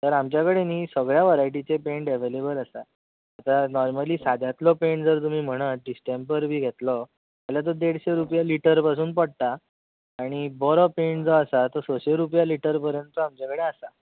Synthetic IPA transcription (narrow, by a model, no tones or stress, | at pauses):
t̪əɾamt͡ɕjakəɽeniːsəɡɭjaʋəɾajʈ̬it͡sepeɳʈeʋelebələsaː | t̪anɔɾməliːsad̪ʱat̪lɔpeɳʈd͡zəɾt̪um̤iːm̤əɽ̃əɖisʈempəɾbʱiːɡʱet̪lɔ | alat̪̬ɔd̪eɽ̤ɕeɾupjaliʈəɾpasuːnpəɽt̪aː | ɽ̃ibɔɾɔpeɳʈd͡zɔasat̪əɾsoɕeɾupjaliʈəɾpəɾjənt̪uamt͡ɕjakəɽeasa